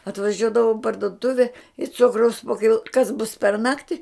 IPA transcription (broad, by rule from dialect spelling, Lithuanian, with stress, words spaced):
ɐtʋɐˈʒʲuɔdɐʋɐʊ ɪ pɐrdʊˈtʊʋʲɛ ɪ ˈt͡sʊkrɐʊs poː kʲɪˈlˠoː kɐs bʊs pʲɛr ˈnɑːktʲɪ